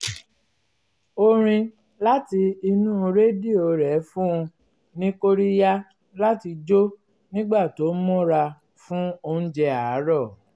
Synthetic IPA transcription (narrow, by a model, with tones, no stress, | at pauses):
o˧ɾ̃ĩ˧ | la˦ti˧i˧nũː˦˧ɾe˦di˦˨o˧ɾɛ˨˦fũ˦ũ˧ | nĩ˦ko˦ɾi˦ja˦ | la˦ti˧d͡ʒo˦ | nĩ˦ɡ͡ba˦˨to˨˦mɔ̃˦ɾa˧ | fũ˦o˧ñ̩˦d͡ʒɛ˧a˨˦ɾɔ˦˨